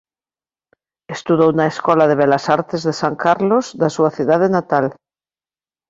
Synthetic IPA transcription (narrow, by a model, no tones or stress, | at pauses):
est̪uðownaeskɔlaðeβelasaɾt̪ezðesaŋkaɾlozðasuaθjuðaðenat̪al